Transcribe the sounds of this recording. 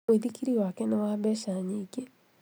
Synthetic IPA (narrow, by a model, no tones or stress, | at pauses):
eðikiɾiwakɛnewaːβɛʃaɲiɡe